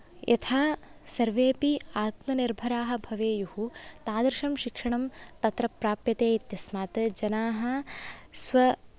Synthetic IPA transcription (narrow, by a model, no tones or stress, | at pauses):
jʔɐ̰t̪ʰaːsɐɾʋeːpiaːt̪mɐniɾbʱɐɾaːɦɐ̆bʱɐʋeːjuhut̪aːd̪ɾʃɐmʃikʂɐɳɐmt̪ɐt̪ɾɐpɾaːpjɐt̪eːit̪jɐsmaːt̪d͡ʒɐnaːɦɐ̆sʋɐ